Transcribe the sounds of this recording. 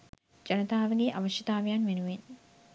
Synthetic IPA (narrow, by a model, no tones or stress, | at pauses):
d͡ʒɐnɐt̪aːʋəɡeʔaʋɐʃjɐt̪aːʋejanʋenuʋen